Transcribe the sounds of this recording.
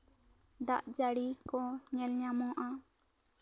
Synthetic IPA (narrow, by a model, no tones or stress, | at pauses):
d̪aʔd͡ʒaɽikɔɲɛlɲamɔ̃ʔa